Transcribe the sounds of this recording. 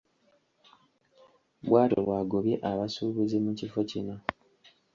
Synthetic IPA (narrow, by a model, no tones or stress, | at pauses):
βwaːto̰βwaːɡoβje̞ʔaβasuːβuzimucifo̞cino